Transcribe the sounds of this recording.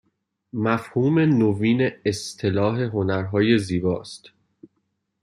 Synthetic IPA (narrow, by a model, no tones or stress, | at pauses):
mæfhuːme̞noviːne̞ːst̪ʰe̞lɒːɦe̞ɦo̞næɾɦɒːje̞ziːbɒːst̪